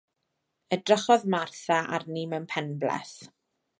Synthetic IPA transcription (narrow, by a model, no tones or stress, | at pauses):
ədrəχɔðmarθaʔarnimɛwnpʰɛnblɛ̰θ